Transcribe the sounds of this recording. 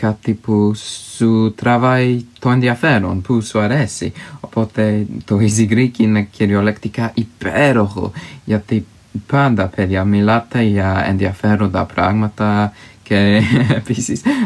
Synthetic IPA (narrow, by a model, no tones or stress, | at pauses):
kɐt̪ipusut̪ɾɐvɐit̪oenðiɐfe̞ɾonpusuɐɾesḭopo̞t̪e̞t̪o̞iziɣɾiciinecʰiɾio̞lekt̪ikɐʔipeɾo̞xo̞̰ʝɐt̪i | pɐnd̪ɐpeðiɐmilɐt̪e̞ʝɐḛnðiɐfe̞ɾond̪ɐpɾɐɣmɐt̪ɐce̞episis